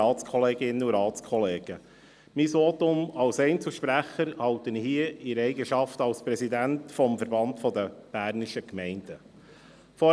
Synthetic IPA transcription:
ɑːtt͡skʰɔleːɡɪnəuɾɑːt͡skʰɔleːɡ̥ə | miːsʋɔːt̪ʊmɑlsɛɪnt͡səʃpɾæχːəɾhɑwt̪ənhiəɪɾɛɪɡəʃɑftɑlspɾɛsid̪æntfɔmfəɾbɑntfɔd̪əb̥æːɾnɪʃəkmɛɪnd̥ə | fɔ

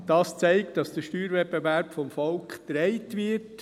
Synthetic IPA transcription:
d̥ɑːst͡sɛɪktdɑsd̥əʃtyːɾʋɛpːevæɾpfɔmfɔlkχtɾɛɪtʋɪt

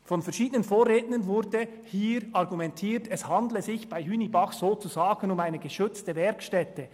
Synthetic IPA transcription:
fɔnfɛɐʃiːdənənfoːreːtənənvʊɾdə | hiːɾɑʁɡumɛntʰiːtɛshɑndləzɪçb̥aɪhyːnibɑχz̥oːt͡suzaːɡ̥ənʊmaɪnəɡəʃʏt͡stəvɛɾkʃtɛtə

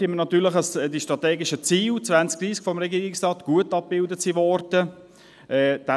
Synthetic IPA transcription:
ɪmənɑt̪yːləχəsdiʃtɾɑt̪ɛːɡɪʃət͡siːlt͡sʋænt͡sk̚d̥ɾiːskfɔmɾɛɡiːɾɪksrɑːtɡ̥uətɑp̚b̥ɪldətsivɔɾd̥ə | ɛːd̥ɛ

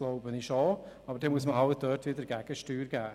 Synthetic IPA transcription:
loʊbənɪʃɔɑːbəɾdɛmuəsməɦɑlt̚d̥œːtʋɪdəɾɡɛɡ̥əʃtyːɾɡæː

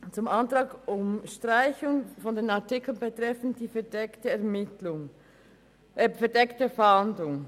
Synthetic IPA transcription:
t͡sʊmʔɑntʁɑːɡʊmʃtʁ̥aɪçʊŋfɔndeːnatɪkl̩nbətʁɛfn̩td̥iːfɛdɛktəɛɐmɪtlʊŋ | fɛɐdɛktəfandlʊŋ

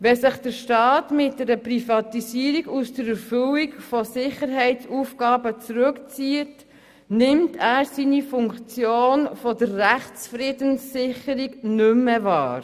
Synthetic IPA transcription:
ʋɛsɪχd̥əɾʃtɑːtmɪt̚dɛɾəprifɑtisiːəɾiɡusd̥əɾɛɾfʏlikfɔsɪχəɾɦɛɪt͡sufɡ̥ɑːbət͡sɾʉkt͡siːət | nɪmtʰæːɾsiːnifʊŋkt͡sjoːnfɔdəɾːæχt͡sfɾiːdənsːɪχəɾiɡnʏmːəvɑːɾ

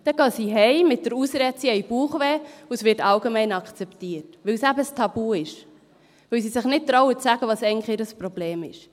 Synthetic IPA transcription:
d̥ɛɡ̥ɑːsiɦɛɪmɪt̚d̥əɾusɾɛt͡siɛɪjb̥uːχʋeːusʋɪɾtɑlɡemɛɪnɑkʰt͡sɛptiːətʋɪwsæbəstʰɑbuːɪʃ | ʋɪws̬isɪχnɪt̚t̪ɾɔʊət͡sːæɡəʋɑːsɛɪn̩χɪɾəspɾob̥leːmɪʃ

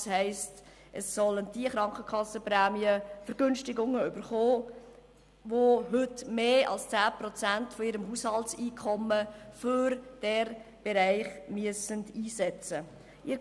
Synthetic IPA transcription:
shɛɪst | ʔəsːɔləndiəχɾɑŋkχəkʰɑsːəpɾæːmiəfəɾɡ̥ønʃtɪɡʊŋːəʏbəɾχoː | voɦʏtmeːʔɑ̰lst͡sæːpɾɔt͡sæntfɔiːɾəmɦushɑltsiːkʰɔmːəføɾd̥ɛɾb̥ɛɾæɪχmyəsəndiːsɛt͡sə | ʔɪɾ

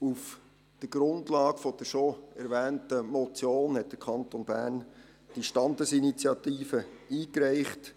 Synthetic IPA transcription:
uf | d̥əɡɾʊndlɑːɡfɔd̥əʃoɛɾʋɛːntəmot͡sjoːnhɛt̚d̥əkʰχɑntonbæ̰ːɾn | d̥iʃtɑndəsinit͡sjɑt̪iːfəiːkɾɛɪχt

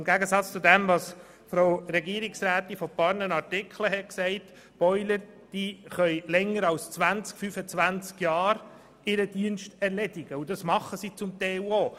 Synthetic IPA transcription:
ɪmɡæɡəsɑt͡st͡sudɛmvɑs | fɾoʊɾɛɡiəɾɪksɾæːt̪ifɔpɑɾnənɑɾtɪkʰləɦɛtksɛɪt | b̥ɔʏləɾ | d̥iχœʏlɛŋːəɾɑlst͡sʋænt͡skfyfət͡svænt͡skjɑːɾ | ɪɾəd̥iənʃtɛɾlɛdɪɡəudɑsmɑχəsit͡sʊmt̪eoː

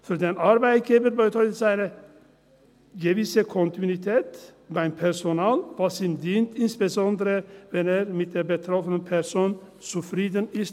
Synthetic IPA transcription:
fyɾd̪eːnɑɾbæɪt̪̚ɡ̥eːbəɾbət̪ʰœʏtəsaɪnə | ɡəvɪsəkʰɔnt̪ɪnɪt̪ʰɛːt̪baɪmpʰɛʁsɔnɑːlvɑsiːmd̪iːnt̪ɪnsb̥əsɔnd̪əɾəvɛneːɾmɪt̪̚d̪eːɾbət̪ʰɾɔfənənpʰɛɾsoːn | t͡sufɾiːd̪ənɪst

